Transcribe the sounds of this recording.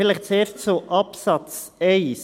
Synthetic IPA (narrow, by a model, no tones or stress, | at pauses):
ɪləχt͡seːʃtsoʔɑpsɑt͡s | ɛɪs